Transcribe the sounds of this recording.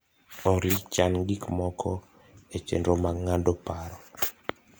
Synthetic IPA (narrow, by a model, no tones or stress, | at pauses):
ɔɾit͡ʃanɡikmɔkʰɔ | et͡ʃḛndɾomaŋandopaɾɔ